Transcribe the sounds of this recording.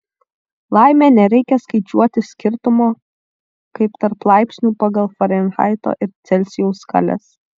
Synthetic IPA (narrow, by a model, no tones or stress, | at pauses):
lˠɑˑɪmʲɛːnʲɛɾʲɛɪkʲɛskɐɪt͡ʃʲuɔt̪ʲɪsʲkʲɪɾt̪ʊmoː | kɐɪpt̪ɐɾplˠɑɪpʲsʲnʲuːpɑɡɐlˠfɐɾʲɛnʲxɑ̰ˑɪt̪o̰ːʔɪɾt̪sʲɛlʲsʲɪjɛʊskɐ̰lʲɛ̰s